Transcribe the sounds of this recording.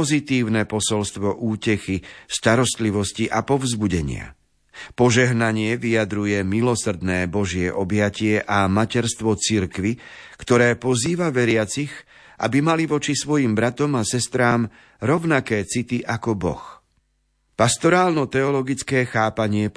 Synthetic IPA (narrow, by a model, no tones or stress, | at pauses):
ɔzit̪iːʊnɛpɔsɔlst̪ʋɔʔuːcɛxist̪aɾɔst̪liʋɔsciʔapɔvzbuɟɛɲɪ̰a̰ | pɔʒɛɦnaɲɪɛʋijad̪ɾujɛmilɔsr̩d̪nɛːbɔʒɪɛʔɔbjacɪɛʔamacɛɾst̪ʋɔt͡siɾkʋikt̪ɔɾɛːpɔziːʋaʋɛɾɪat͡six | ʔa̰bimaliʋɔt͡ʃisʋɔjimbɾat̪ɔmasɛst̪ɾaːm | ɾɔʊnakɛːt͡sit̪iʔakɔbɔ̰x | past̪ɔɾaːlnɔt̪ɛɔlɔɡit͡skɛːxaːpaɲɪɛ